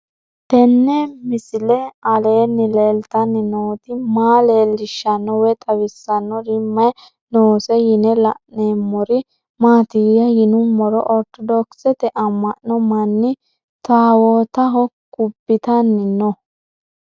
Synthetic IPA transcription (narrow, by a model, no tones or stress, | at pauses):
t̪ɛnːɛmɪsɪlɛɐleːnːɪleːlt̪ɐnːɪnoːt̪ɪmaːleːlɪʃːɐnːɔwɛt̪ʼɐwɪsːɐnːɔɾɪmːɐj | noːsɛjɪnɛlɐʔneːmːɔɾɪ | maːt̪ɪɡjɐjɪnʊmɔɾɔʔɔɾt̪ɔd̪ɔksɛt̪ɛʔɐmːɐʔnɔmɐnːɪ | t̪aːwoːt̪ɐɦɔkːʊbːɪt̪ɐnːɪnɔ